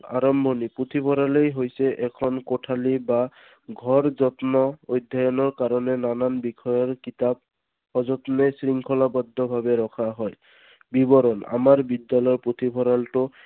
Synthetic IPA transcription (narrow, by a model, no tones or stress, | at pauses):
a̰ɹɔmbʱɔnipɹot̪ʰipʰɔɾalejɦojsɛʔɛkʰɔnkoʈʰaliba | ɡʱɔɹzɔt̪nɔojd̪ʱajɔnɔɹkaɹɔnɛnananbikʰɔjɔɹkitab̚ | hɔzɔt̪nɛsɹiŋkʰɔlabɔd̪ʱːɔbʱabɛɹɔkʰaɦɔj | bibɔɾɔna̰maɹbidːalɔjɔpɹot̪ʰibʰʱɔɾaltʊ